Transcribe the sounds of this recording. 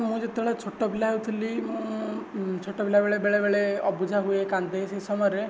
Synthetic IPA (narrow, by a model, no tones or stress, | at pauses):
mũd͡ʒet̪ːɔɭat͡ʃʰoʈɔbʱilaɦewt̪ʰilim̃ũ | t͡ʃʰoʈɔbʱilabeɭebeɭebeɭeɔbud͡ʒʱaɦuekand̪esesɔmɔɾe